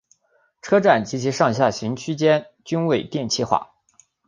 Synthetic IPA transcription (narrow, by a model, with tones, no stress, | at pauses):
ʈ͡ʂʰɤ˥ʈ͡ʂa˥˩nt͡ɕi˧˥t͡ɕʰi˧˥ʂɑ˥˧ŋɕ̬ja˥˩ɕi˧˥ŋt͡ɕʰy˥t͡ɕjɛ˥n | t͡ɕy˥nwe˥˩ɪt̪jɛ˥˩nt͡ɕʰi˥xwa̰˥˩